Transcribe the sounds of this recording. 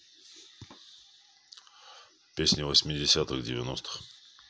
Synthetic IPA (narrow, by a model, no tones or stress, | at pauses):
pʲesʲnʲɪvəsʲmʲɪdʲɪsʲat̪ɨɣdʲɪvʲɪnost̪ɨ̥x